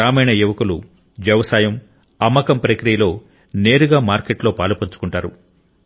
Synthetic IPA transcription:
aːmɐjnɐjuʋɐkulu | ʋjɐʋɐsaːjɐm | ɐmːɐkɐmpɾɐkɾijɐlo̞ː | ne̞ːɾuɡaːmaːɾkeʈlo̞ːpaːlupɐɲt͡ʃu̥kuɳʈaːɾu

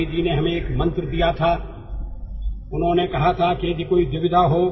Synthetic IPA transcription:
id͡ʒiːneɦɐmẽeːkmɐ̃nt̪ɾd̪ijat̪ʰaː | ʊnɦõːnekɐɦat̪ʰaked͡ʒekoːiʋɪʋɪd̪ʱaɦoː

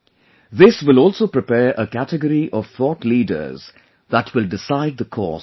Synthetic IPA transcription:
ðɪswɪlɔːlˠsoːpɾɪpɛːɹʔəkætəɡəɾiʔɔv̥θɔːtliːdə̰˞z | ðətʰwɪlɖɪsaɪd̪̚ðəkʰɔ̰ː

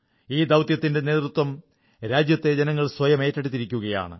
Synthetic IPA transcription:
iːd̪ɐwt̪jɐt̪ːinde̞ne̞ːt̪rɾut̪wɐm | ɾaːd͡ʑjɐt̪ːe̞d͡ʑɐnɐŋːɐɭswɐjɐme̞ːtːɐɽit̪ːiɾikʲːuɣɐja̰ːɳɨ̰

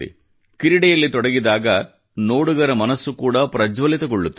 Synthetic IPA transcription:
ḭ | kiɾiɽɛjɐlːit̪ɔɽɐɡid̪aːɡɐ | no̞ːɽuɡɐɾɐmɐnɐsːukuːɽɐpɾɐd͡ʒʋɐlit̪ɐɡɔɭːut̪ː

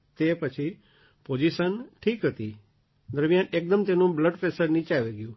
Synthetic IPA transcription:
t̪epət͡ʃʰi | pod͡ʒiʃənʈʰiːkɦət̪i | d̪əɾmjanek̚d̪əmt̪enũbləɖfesəɾnit͡ʃaʋeɡjũ

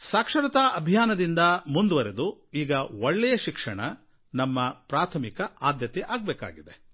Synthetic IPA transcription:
saːkʂɐɾɐt̪aːɐbʱijaːnɐd̪ind̪ɐmund̪uʋɐɾed̪uiːɡɐʋɔɭːɛjɐʃikʂɐɳɐ | nɐmːɐpɾaːt̪ʰɐmikɐaːd̪jɐt̪ɛʔaːɡ̚bɛːka̰ːɡid̪e

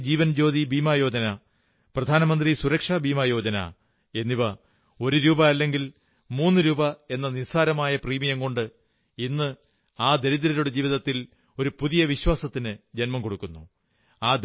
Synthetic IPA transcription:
d͡ʑiːʋɐnd͡ʑo̞ːd̪ibiːmajo̞ːd͡ʑɐnɐ | prɐd̪ʱaːnɐmɐnd̪risuɾɐkʂaːbiːmaːjo̞ːd͡ʑɐnɐ̰ | e̞nːiʋɐ | o̞ɾuɾuːbɐɐlːe̞ŋɡil | muːnːɨɾuːbɐe̞nːɐnisaːɾɐmaːjɐpriːmijɐŋko̞ɳɖɨ | inːɨ | aːd̪e̞ɾid̪ɐɾɐɾuɽed͡ʑiːʋiðɐt̪ːil | o̞ɾupuðijɐʋiɕwaːsɐt̪ːinɨd͡ʑenmɐmko̞ɽukːunːu | aːd̪

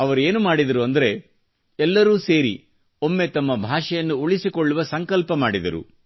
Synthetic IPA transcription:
ɐʋɐɾue̞ːnumaːɽid̪ɐɾuɐnd̪ɐɾe̞ | ɛlːɐɾuːse̞ːɾḭ | o̞mːe̞t̪ɐmːɐbʱaːʂɐjɐnːuuɭisikoɭːuʋɐsɐŋkɐlpɐmaːɽid̪ɐɾṵ

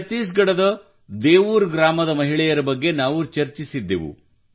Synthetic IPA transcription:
t̪ːiːs̬ɡɐɽɐd̪ɐ | d̪eːʋuːɾɡɾaːmɐd̪ɐmɐɦiɭɛjɐɾɐbɐɡːe̞naːʋut͡ʃɐɾt͡ʃisid̪ːeʋṵ

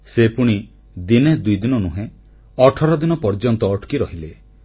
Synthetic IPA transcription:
sepuɽ̃i | d̪ined̪ujd̪inɔnuɦẽ | ɔʈʰɔɾɔd̪inɔpɔɾd͡ʒɔnt̪ɔːʈʰkiɾɔɦile

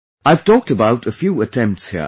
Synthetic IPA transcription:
aɪv̥tʰɔk̚təbaʊɾɨfjuətʰɛ̃mp̚tshḭ

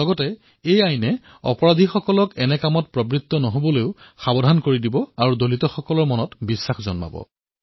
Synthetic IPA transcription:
ɔɡɔtɛ | ejajnɛ | ɔ̰pɔɹadʱixɔkɔlɔkɛnɛkamɔt̚pɹɔbɹit̪ːɔnɔɦobɔloʊxabɔdʱankoɹidibɔaɹudolitɔxɔkɔlɔɹmɔnɔtbisːaxzɔnma̰bɔ̰

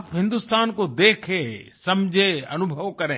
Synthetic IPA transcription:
pɦɪ̃nd̪ust̪aːnkod̪eːkʰẽːsɐmd͡ʒʱẽɐnʊbʱəʋkɐɾẽː

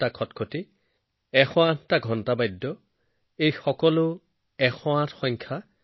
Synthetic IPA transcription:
takʰɔtkʰoti | ɛxɔãttaɡʱɔntabajdːɔ | ejxɔkɔlʊ | ɛxɔãtxɔɲkʰa

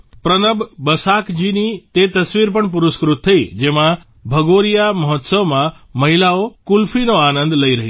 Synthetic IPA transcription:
pɾənəbbəsakd͡ʒinit̪et̪əsʋiɾpəɳp̬ʊɾʊskɾʊt̪ʰːəid͡ʒemã | bʱəɡoɾijaməɦɔt̪səʋmã | məɦilaokʊlfʰinoanə̃nd̪ləiɾəɦi

